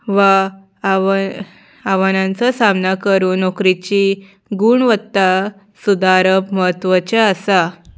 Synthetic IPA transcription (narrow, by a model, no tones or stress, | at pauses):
ʋa | aʋanãnt͡sasamnakəɾuːnokɾit͡ɕi | ɡuɳʋət̪ːa | sud̪aɾəbməɦət̪ːʋət͡ɕaasa